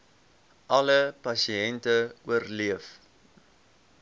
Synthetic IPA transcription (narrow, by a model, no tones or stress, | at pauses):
ʔɐləpɐsiɛntəuərliəf